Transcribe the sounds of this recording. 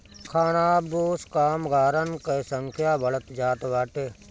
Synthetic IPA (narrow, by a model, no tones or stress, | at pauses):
kʰaːnaːboːskaːmɡaːɾənkɐsəŋkʰjaːbɐɭət̪d͡ʒaːt̪ʋaːʈeː